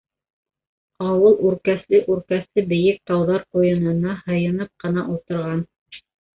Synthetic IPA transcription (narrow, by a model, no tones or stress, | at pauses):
ɑwɤlˠʔʉɾkæθlɘʔʉɾkæθlɘbɘ̆jɘk̚t̪ɑwðɑɾqujɤ̆nɤ̆nɑhɤ̆jɤ̆nɤp̚qɤ̆nɑʔulˠt̪ɤ̆ɾʁɑn